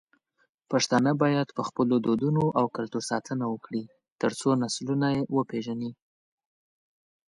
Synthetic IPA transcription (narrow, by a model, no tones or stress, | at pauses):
paʂt̪ɑnəbɑjad̪pəxpəlod̪od̪unoʔawkalt̪osɑt̪ʰənawəkɽi | t̪əɾt͡sonaslunajewəpeʒani